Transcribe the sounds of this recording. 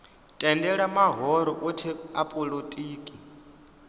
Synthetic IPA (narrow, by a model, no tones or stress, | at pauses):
tʼɛndɛɺamaɦɔɾɔʔutʰiapʼɔlotʼiːkʼi